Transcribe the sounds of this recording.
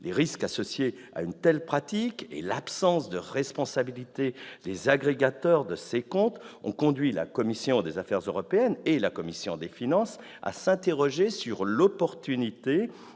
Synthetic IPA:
leʁiskasɔsje | a̰ynt̪ɛlpχat̪ikḛlapsɑ̃sd̪əʁɛspɔ̃sabilit̪ed̪ezaɡʁeɡat̪œʁd̪əsekɔ̃t̪ɔ̰̃kɔ̃d̪ɥila̰kɔmisjɔ̃d̪ezafɛʁzøʁɔpeɛnelakɔmisjɔ̃d̪efinɑ̃s | a̰sɛ̃t̪eʁɔʒesyʁlɔpɔʁt̪ynit̪e

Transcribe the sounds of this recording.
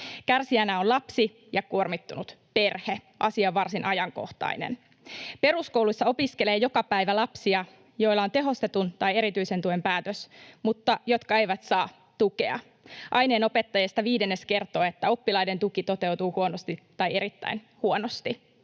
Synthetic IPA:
kærsiænæolɑpsi | jɑkuormit̪ːunut̪pe̞rheʔɑsiɑʋːɑrsinʔɑjɑŋko̰ht̪ɑ̰inḛn | pe̞ɾusko̞wlusːɑo̞piske̞le̞ːjo̞kɑpæjʋælɑpsiɑ | jo̞ilːɑo̞nt̪e̞ɦo̞st̪e̞t̪unt̪ɑje̞ɾit̪yise̞nt̪uempæːt̪øsmut̪ːɑjo̞t̪kɑe̞jʋæt̪sɑː | t̪ukeɑ̰ | ʔɑjne̞ːno̞pe̞t̪ːɑjɑest̪ɑʋiːdenːeske̞rt̪oːet̪ːæo̞pːilɑjde̞nt̪ukit̪o̞t̪e̞wt̪uːhuonost̪it̪ːɑje̞ɾit̪ːæ̰in | huonost̪i

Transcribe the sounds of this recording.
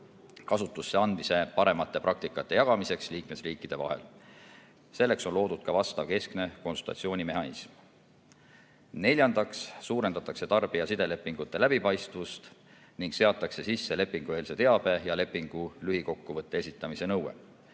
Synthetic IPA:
kɑsut̪ːˑusːe̞ɑnmise̞pɑɾe̞mɑt̪ːˑe̞pɾɑk̚t̪ikːˑɑt̪ːe̞jɑɡ̥ɑmise̞ksliːkme̞sriːkːˑid̪̥e̞vɑ̰ɦe̞̰l | se̞lːe̞kso̞nlo̞ːd̪ud̪̥̚kɑvɑst̪ɑvke̞skne̞ko̞nsult̪ɑ̰t̪sio̞ːnʲime̞ɦɑnḭsm | ne̞lʲjɑnd̪̥ɑkssuːɾe̞nd̪ɑt̪ːˑɑkse̞t̪ɑrb̥iɑsid̪̥e̞le̞pːˑiŋɡ̥ut̪ːe̞læb̥ipɑjst̪vust̪ | niŋɡ̥seɑt̪ːˑɑkse̞sisːe̞le̞pːˑiŋɡ̥ueliset̪e̞ɑb̥e̞jɑle̞pːiŋɡ̥ulyhiko̞kːuvɤt̪ːˑe̞e̞sit̪ːˑɑmise̞nɤwe̞̰

